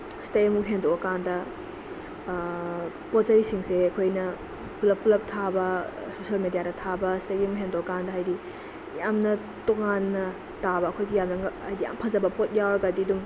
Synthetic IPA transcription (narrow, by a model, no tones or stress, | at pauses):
stajmuɦendowɐkandɐ | pot̚zɐjsiŋseɐkʰojnɐ | pulɐp̚pːulɐp̚tʰabɐ | sosiɐlmedijadɐtʰabɐstɐjɐmuɦendowɐkandɐɦajdi | jamnɐ | toŋanːɐ | tabɐɐkʰojɡijamnɐŋajdija̰mpʰɐzɐbɐpot̚jawɾɐɡɐdidum